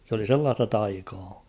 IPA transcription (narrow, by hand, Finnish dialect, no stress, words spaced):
s oli selːɑːstɑ tɑikɑː